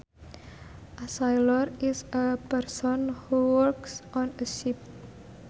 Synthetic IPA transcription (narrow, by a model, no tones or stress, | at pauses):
ʔasajlɔɾɪsəpɛrsɔnhuwɔrksɔ̃nəʃip̚